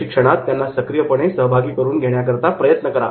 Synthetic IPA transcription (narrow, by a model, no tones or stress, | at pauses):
ikʂəɽ̃at̪ːjanːasəkɾijəpəɳ̃esəɦbʱaɡiːkəɾuːnɡʱeɽɳjakəɾt̪apɾəjət̪nəkəɾa̰